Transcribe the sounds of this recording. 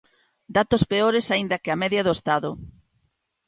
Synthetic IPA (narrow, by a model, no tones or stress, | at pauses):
d̪at̪ospeoɾesaind̪ɐkɪamɛðjɐðoest̪aðʊ